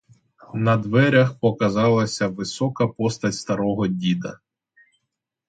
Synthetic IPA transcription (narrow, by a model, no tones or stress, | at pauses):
nɐd̪ʋɛɾʲɐxpɔkɐzɑlˠɐsʲɐʋɪsɔkɐpɔst̪ɐtʲst̪ɐɾɔɦɔdʲid̪ɐ